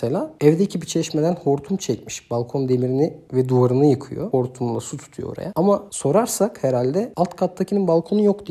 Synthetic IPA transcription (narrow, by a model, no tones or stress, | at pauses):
selʲaːɛvd̪ɛcʰibit͡ʃʰɛʃmed̪ænho̞ɾt̪ʰumt͡ʃʰɛcmiʃb̥alˠkʰo̞nd̪e̞miɾinivɛd̪uaɾɯnɯjɯkʰɯ̰jo̰ho̞ɾt̪ʰumlˠasut̪ʰu̥t̪ʰujooɾa̰jaamaso̞ɾaɾsakheɾalʲd̪ɛalˠt̪kʰat̪ːacʰininbalˠkʰo̞nujo̞kt̪ʰi